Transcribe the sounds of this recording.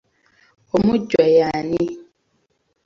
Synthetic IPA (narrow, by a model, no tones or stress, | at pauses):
omuɟwajani